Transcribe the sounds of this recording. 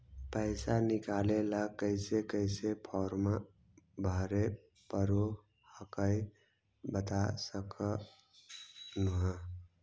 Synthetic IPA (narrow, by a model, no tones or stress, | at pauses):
pəɪsanɪkalelakəɪsekəɪsepʰɔːɾma | bʱəɾe | pəɾo | həkəj | bət̪asəkə | nuɦã